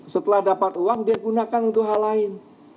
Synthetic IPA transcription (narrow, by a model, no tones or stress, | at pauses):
sət̪əlahdapat̪uwaŋdiaɡunakanunt̪ʊɦalaɪn